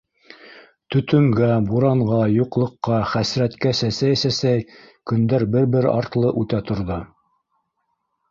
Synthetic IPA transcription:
t̪ɵ̆t̪ɵ̆ŋɡæbuɾɑɴʁɑjuqlˠɤ̆qːɑχæsɾæt̪kæsæsæjsæsæjkɵ̆nd̪æɾbɘɾbɘɾɑ̰ɾt̪lˠɤʔʉt̪æt̪ŏɾðɤ

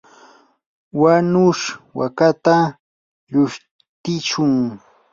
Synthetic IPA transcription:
wanʊʂwa̰kat̪a | ʎʊʃ | t̪ɪt͡ʃʊŋ

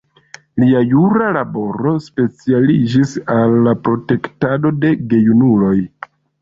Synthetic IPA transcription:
liajuɾalabo̞ɾo̞spe̞t͡sialid͡ʒisalːapɾo̞te̞ktado̞de̞ɡe̞junulo̞j

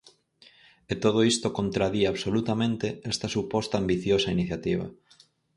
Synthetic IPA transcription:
et̪oð̞oist̪okont̪ɾaðiaβsolut̪amẽnt̪eɛst̪ɐsupɔst̪aːmbiθjosɐiniθjat̪iβ̞ɐ̰

